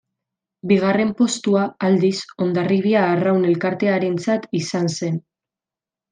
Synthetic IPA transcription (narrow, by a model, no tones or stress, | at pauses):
biɣ̞are̞mpo̞st̪uaːld̪iso̞nd̪ariβiaːrawne̞lkaɾt̪e̞aɾe̞nt͡sat̪isanse̞n